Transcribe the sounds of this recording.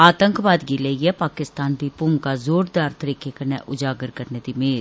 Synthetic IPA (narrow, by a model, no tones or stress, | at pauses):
aːt̪ə̃ŋkʋaːd̪ɡileijɛpaːkɪst̪aːnbʱipʊmkazoːɾd̪aːɾt̪ɐɾiːkʰekɐɾnɛʔʊd͡ʒaːɡəɾkɐɾned̪imeːl